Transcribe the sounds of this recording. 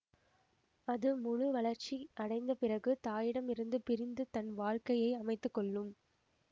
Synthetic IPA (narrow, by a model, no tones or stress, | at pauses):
ɐðɯmʊɻɯʋɐɭɐɾt͡ʃiʔɐɽɐɪnd̪ɐpɪrɐɣɯt̪aːjɪɽɐmɪɾɯnd̪ɯpɪɾɪnd̪ɯt̪ɐnʋaːɻkɐjɐɪɐmɐɪt̪ːɯkːɔɭːɯm